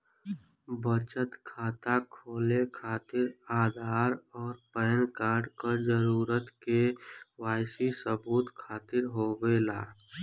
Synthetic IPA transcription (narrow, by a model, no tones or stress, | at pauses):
bət͡ʃət̪kʰaːt̪akʰoːlekʰaːt̪ɪɾaːd̪ʱaːɾɔːɾpɛːnkaːɾɖkəd͡ʒəɾuːɾət̪kewaːɪsisəbuːt̪kʰaːt̪ɪɾɦoːwela̰ː